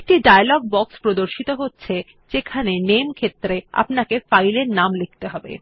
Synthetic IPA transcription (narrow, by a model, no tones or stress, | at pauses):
k̚ʈiɖajalɔɡ̚bɔkspɾod̪oɾʃit̪oɦotːɕʰe | d͡ʑekʰanenemkʰet̪ːɾea̰pnakefajleɾnamlek̚ʰt̪eɦɔbḛ